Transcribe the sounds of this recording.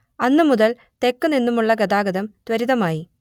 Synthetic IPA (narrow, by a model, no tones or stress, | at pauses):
ɐnːɨmuðɐl | t̪e̞kːuninːumuɭːɐɡɐd̪aːɡɐðɐmt̪ʋɐɾiðɐmaːji